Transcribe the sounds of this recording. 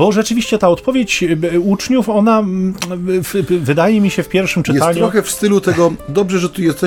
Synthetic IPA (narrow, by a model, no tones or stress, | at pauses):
bɔʐɛt͡ʂɘvʲiɕt͡ɕɛt̪aɔt̪pɔvʲjet͡ɕut͡ʂɲufɔna | fvɘd̪ajɛmʲiɕɛfpʲjɛɾfʂɘmt͡ʂɘtɛaɲuɾɔxɛfst̪ɘlut̪ɛɡɔd̪ɔbʐɛʐɛt̪ujɛst̪ɛ